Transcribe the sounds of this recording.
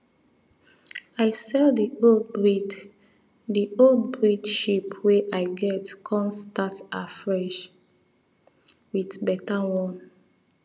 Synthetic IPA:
ajsɛldiodɹid | diʔold̚bɹidʃipʰweʔajɡɛtkʰɔ̃nstatafɹɛʃ | witbɛtawɔ̃n

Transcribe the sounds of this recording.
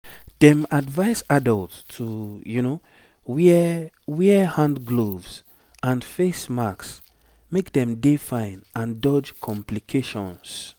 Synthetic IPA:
d̥ɛ̃madvaɪsadəltsʰujuno | wi | wihãndɡlovs | ãnfesmaks | mekdɛ̃mdefãɪ̃nãndɔd͡ʒkʰɔ̃mplikʰeʃɔ̃ns

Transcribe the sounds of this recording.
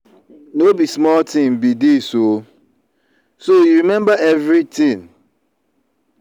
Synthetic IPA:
nobismɔltĩmbidiso | sojuɾimɛ̃mbaɛvɾitĩn

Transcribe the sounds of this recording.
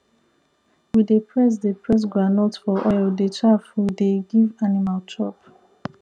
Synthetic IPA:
widepʰɹɛs̬depʰɹɛs̬ɡɹanɔtfɔʔɔjldetʰɹafudeɡivanimaltʰɹɔp

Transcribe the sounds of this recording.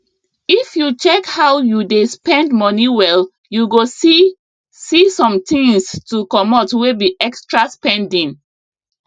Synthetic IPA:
ifjut͡ʃɛkhawjudespɛ̃ndmɔniwɛl | juɡosi | sisɔ̃mtĩŋstukɔmɔtwebiʔɛkstɹaspɛ̃ndĩŋ

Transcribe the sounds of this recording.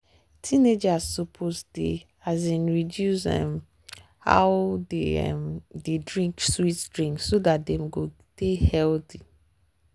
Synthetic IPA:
tʰined͡ʒasːopʰosdḛ | azĩnɹidjusɛ̰m | ha̰ʊdeɛ̰mdedɹĩŋkswitdɹĩŋkssodat̚dɛ̃mɡo | dehɛlti

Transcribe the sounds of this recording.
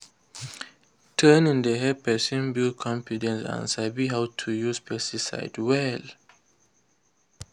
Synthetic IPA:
tʰənĩndeɦɛpɛsɔ̃nbilkʰɔ̃mfidɛ̃nsã̰nsabiɦawtʰujuspʰɛstisa̰ɪdwɛl

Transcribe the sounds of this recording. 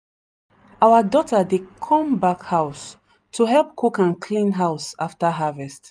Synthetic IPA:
ʔawədɔtədekʰɔ̃mbakhaʊs | tʰuɦɛlˠp̚kʰukãnkʰlĩnɦaʊsaftəɦavɛst

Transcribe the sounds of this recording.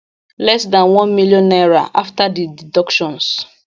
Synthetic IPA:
lɛsdãnwɔ̃nmiljɔ̃nːaɹaʔaftadididɔkʃɔ̃ns

